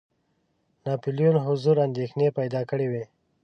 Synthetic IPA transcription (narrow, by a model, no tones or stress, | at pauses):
nɑpulijonɦʊzuɾand̪exnepajd̪ɑkəɽewe